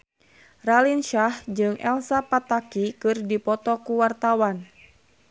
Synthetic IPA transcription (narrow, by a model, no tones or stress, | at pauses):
ralinʃahd͡ʒɨŋʔɛ̰lsapat̪akikɨrdipɔt̪ɔkuwart̪awan